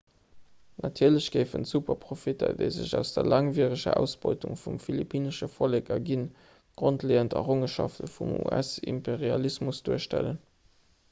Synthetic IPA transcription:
nʔɑtʰiːɐləɕɡ̥əɪfənsupɐpʁofitʰɐ̰dəɪzə̰ʑæʊsd̥əɐlʔɑŋviːəʁəɕə̰æʊsb̥ɔɪtuŋfumfilipʰiːnəʃəfoleːkɐɡin | ɡ̥ʁontleːəntɑʁoŋəʃɑ̰ftəfumṵæsḭmpeʁiɑlismusd̥uəʃtælən

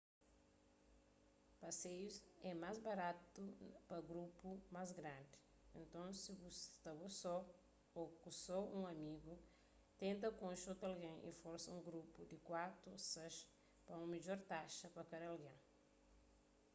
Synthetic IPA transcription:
pɐsejusɛmazbɐɾat̪upɐɡɾupumazɡɾãnd̪i | ẽnt̪õsibust̪ɐbosɔ | okusɔũŋɐmiɡu | t̪ẽnt̪ɐkõʃot̪ɐlɡẽŋʔḭfɔɾsɐũŋɡɾupud̪ikwat̪usɐʃ | pɐũmid͡ʒɔɾt̪aʃɐpɐkɐd̪ɐalɡẽ

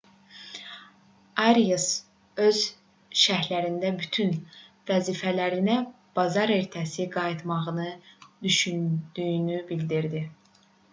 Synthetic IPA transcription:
ɑɾijes | ø̞z̥ | ʃæhlæɾind̪æbyt̪ʰyn | væziːfælæɾinæ | b̥ɑzɑɾe̞ɾt̪ʰæsiɡɑjit̪ʰmɑʁɯnɯd̪̥yʃynd̪̥yjynybild̪iɾd̪i

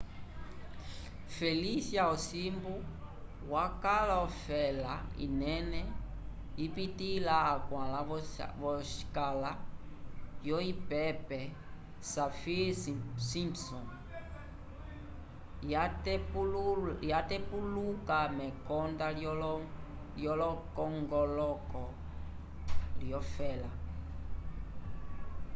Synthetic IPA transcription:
fɛlisjaɔsimbu | wakalaɔfɛlaḭnɛnɛ | ipitilaːkwãlavɔʃi̥kala | jɔipɛpɛ | safisimpsɔ̃n | jat | jatɛpulukamɛkɔnda | ljɔlɔkɔŋɡɔlɔkɔ | ljɔfɛla

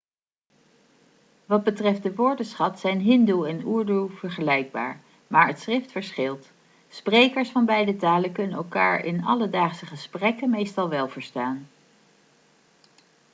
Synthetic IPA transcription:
ʋɑd̚bətrɛft̚dəʋʊːɹdəsχɑtsɛjnɦɪnduɛnuːɹduv̥əɹχəlɛjɡ̚ba̰ːɹ | maːɹətsrɪftfəɹsχɪlˠt | sprejkəɹsfɑnbɛjdətaːləkɵnənɛlˠkaːɹʔɪ̰nɑ̰lədaːχsəχəsprɛkəmejstɑlˠʋɛlˠvəɹstaːn

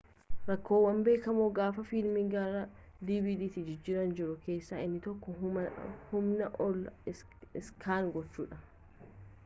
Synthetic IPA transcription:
ɾɐkːo̞ːwɐmbe̞ːkɐmoːɡaːfɐfɪlmɪɡɐɾɐ | d̪ibid̪iːt̪ɪd͡ʒɪd͡ʒːɪɾɐnd͡ʒɪɾʊke̞ːsːaːʔɪnːɪt̪ɔkːɔ | hʊmnɐʔɔlːɐ | ɪskʰaːŋɡɔt͡ʃːṵːᶑɐ

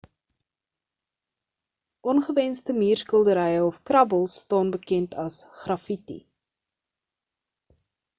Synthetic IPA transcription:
ʔɔnχəvɛnstəmiːrskəlˠdəɾɛjəɔfkrɐbəlˠsːtɑːnbəkɛntʰɐsχrɐfitḭ

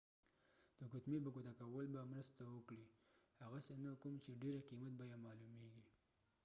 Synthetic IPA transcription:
d̪̥əɡʊt̪mebaɡʊt̪akawəlbamɾəst̪awəkɽihaɣasenakumt͡ʃeɖeɾaqimat̪̚bajamɑlumeɡi

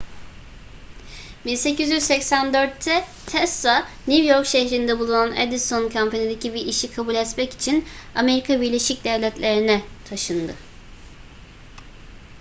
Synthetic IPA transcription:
minse̞cyzjyzsɛcsænd̪ø̞ɾt̪ʰːɛ | t̪ʰɛsanivjo̞ɾkʃeçɾind̪ɛbulˠunanḛd̪isonkʰampʰanid̪e̞cʰibiʔiʃikʰabuːlʲɛt̪mɛci̥t͡ʃʰiname̞ɾikʰabiɾlʲe̞ʃic̚d̪ɛvlʲɛt̪lʲeɾinɛt̪ʰaʃɯnd̪ɯ

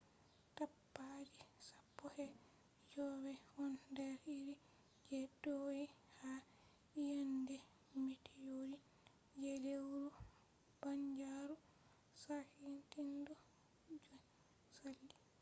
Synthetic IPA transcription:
tapːad͡ʒisapːɔhɛ | d͡ʒɔːwɛhɔndɛɾiɾi | d͡ʒɛdojiha | jandɛ | mitʰɛjodi | d͡ʒelewɾu | b̥aɲd͡ʒaɾu | sahintindɔ | d͡ʒɔ | salːi

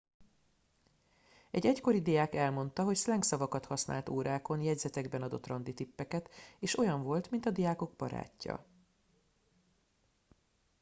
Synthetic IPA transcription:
ɛɟɛcko̞ɾid̪ijaːkɛlmo̞nt̪ɒɦo̞cslɛŋksɒvɒkɒt̪hɒsna̰ːlt̪oːɾaːko̞njɛɟzɛt̪ɛɡbɛnɒd̪o̞̰t̪ːrɒnd̪it̪ipːɛkɛt̪eːʃo̞jɒɱvo̞lt̪mint̪ɒd̪ijaːko̞ɡ̚bɒ̰ɾa̰ːcːɒ̰

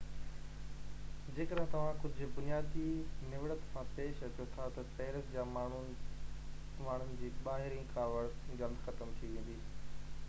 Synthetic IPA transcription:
d͡ʑeːkəɗɦt̪ɐʋ̤ãkʊd͡ʑʱʊ̆bʊnijaːd̪inɪʋɽət̪sãpeːʃɐt͡ɕjot̪ʰat̪ɐseːɾəsd͡ʑaːmːʊ | maːɳ̤ʊnɪ̆d͡ʑiːɓaːɦɪɾĩkaːʋəɽsɡɐləd̪xɐt̪əmt̪ʰiʋẽːn̆d̪iː

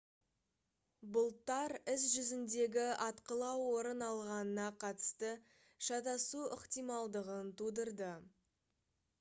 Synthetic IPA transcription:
bʊlˠt̪ːɑɾɪs̬ʒʏzɪnd̪e̞ɡʲɪɑt̪qəlˠɑwːo̞ɾənɑlˠʁɑnənɑqʰɑt̪ə̥st̪ə | ʃɑt̪ɑsuɪqt̪ijmɑlˠd̪əʁənt̪ʰud̪əɾd̪ə

